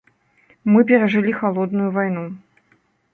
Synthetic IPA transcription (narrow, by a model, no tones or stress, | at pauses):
mɨp̬ʲɛɾɐʐɨlʲixalˠɔd̪nujuvajnu